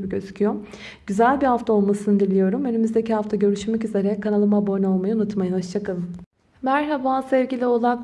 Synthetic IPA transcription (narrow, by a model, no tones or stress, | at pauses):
bicøzycʰyjo | ɟyzælʲbihaft̪ʰao̞lˠmasɯnɯd̪ilʲijo̞ɾumønymyzd̪e̞cihaft̪ʰaɟø̞ɾyʃmɛcyze̞ɾɛckʰːanalˠɯmabojno̞lˠmajɯunut̪majɯnɦoʃt͡ʃʰakʰalˠɯm | mæɾɦabaːsɛvɟilʲio̞lˠa